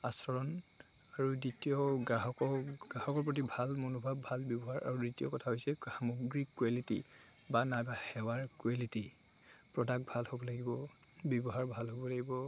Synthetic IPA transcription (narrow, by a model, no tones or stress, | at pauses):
asɔɹɔn | aɹuditijɔɡɹaɦɔkɔɡahɔkɔɹp̬ɹot̬ibʱalmonobʱabʱalbjɔbɔɦaɹa̰ɹuditiɔkɔtʰaɦojsɛhamoɡɹikːwalitḭ | banajbahɛwaɹkwaliti | pɹɔdak̚bʱalhobɔlaɡibɔ | bjɔbɔɦaɹbʱalɦobɔlaɡibɔ